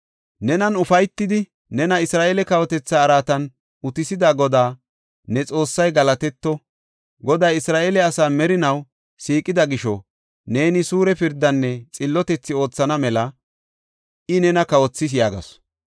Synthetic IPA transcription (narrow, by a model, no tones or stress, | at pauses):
nɛnɐnʊfɐjt̪ːɪd̪ɪ | nɛnɐɪsɾaːʔeːlɛkɐwɔt̪ɛt͡sːaːɾaːt̪ɐn | ʊt̪ɪsɪd̪aɡɔd̪aː | nɛt͡sʼo̞ːsːɐjɡɐlɐt̪ɛt̪ːɔ | ɡɔd̪ɐjɪsɾaːʔeːlɛɐsaːmɛɾɪnɐw | siːkʼːɪd̪ɐɡɪʃɔ | ne̞ːnɪsuːɾɛpɪɾd̪ːɐnːɛt͡sʼɪlːɔt̪ɛt͡sːɪo̞ːt͡sːɐnɐmɛlɐ | ʔɪnɛnɐkɐwɔt͡sːɪs̬jaːɡɐ̰s